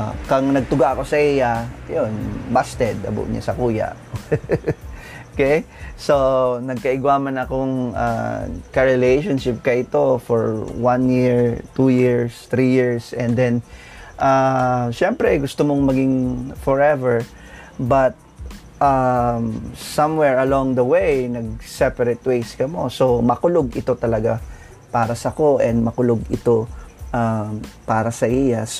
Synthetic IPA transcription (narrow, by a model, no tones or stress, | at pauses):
kaŋnɐɡ̚t̪ʊɡaʔɐko̞sɐʔijaɐjonbast̪ɛd̪ɐ̰bʊ̰ʔɲa̰sɐkuːja̰ʔ | okɛj | sonɐɡ̚kɐʔɪɡwamɐnɐkoŋa̰kɐɹɪlejʃonʃɪp̚kɐʔɪt̪o̞foɹwanjiɹt̪ujiɹst̪ɾijiɹsʔɛnd̪ɛn | ʔaʃɛmpɾɛɡʊst̪omoŋmɐɡɪŋfɔɹɛvɛɹ | bɐt̪̚ | ʔamsɐ̃mwɛɹɐlɔ̃ŋd̪ɐwejnɐɡ̚sɛpɐɾɛt̪̚wejskɐmo̞so̞mɐkʊloɡɪt̪o̞t̪ɐlɐɡa | paːɾɐsɐko̞ʔɛ̃nd̪̚mɐkʊloɡɪt̪o̞ʔapaːɾɐsɐʔijɐs